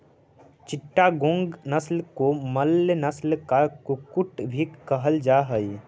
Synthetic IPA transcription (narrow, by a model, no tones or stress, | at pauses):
t͡ʃɪʈːaɡõːŋɡnəslkoməlːnəslkakʊkʊʈbʱikəɦəld͡ʒaːɦəi